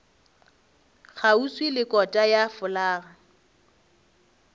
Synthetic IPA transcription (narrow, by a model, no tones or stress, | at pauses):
χʰauswilɪkʼɔtʼajafʊlaːɣa